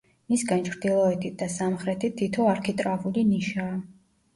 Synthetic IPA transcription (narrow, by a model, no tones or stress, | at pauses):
misɡant͡ʃʰɾd̪ilˠɔɛt̪ʰit̪̚d̪asamχɾɛt̪ʰit̪ʰːit̪ʰɔaɾkʰit̪ʼɾavuliniʃaː